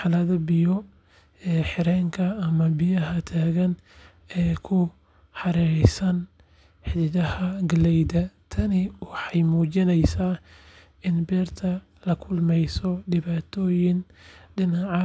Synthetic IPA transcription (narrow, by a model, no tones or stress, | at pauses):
ħɑlɐðɐbɪjɔ | ɛːħɪɾɛːŋkʰɐːmɐbɪjɐɦɐt̪ʰaːɣɐn | ɛːkʰʊ | ħɑɾɛjsɐn | ħɪɪðɐhɐɡlɛjd̪ɐt̪ʰɐnɪwɑħɑjmuːt͡ʃɪnɛjsaː | ɪnbɛːrt̪ʰɐ | lɐkʰʊlmɛjsɔɖɪβaːt̪ʰɔːjɪn | ɖɪnɑʕɑ